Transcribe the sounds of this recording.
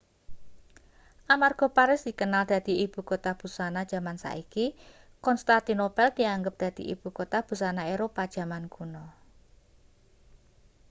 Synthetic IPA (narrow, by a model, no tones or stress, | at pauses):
ʔamarɡ̥o̤paɾɪsd̪̥i̤kənald̪̥a̤d̪̥i̤ib̥ṳkot̪ab̥ṳsanad̥ʒ̥a̤mansa̰ʔiki | kɔnst̪at̪inopɛld̪̥i̤aŋɡəp̚d̪̥a̤d̪̥i̤ʔḭb̥ṳkot̪ab̥ṳsanaeɾopad̥ʒ̥a̤manɡ̥unɔ